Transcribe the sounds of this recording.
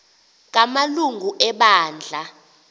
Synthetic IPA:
k̬ʼamaluŋɡʱuʔɛɓaːnd͡ɮʱa

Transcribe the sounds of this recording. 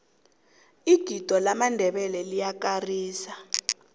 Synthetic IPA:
iɡ̥ʱid̥ʱɔlamandʱɛɓɛlɛlijakariːsa

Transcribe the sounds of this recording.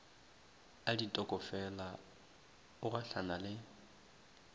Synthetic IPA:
aditʼɔkʼɔfɛla | ʊraɬanalɪ

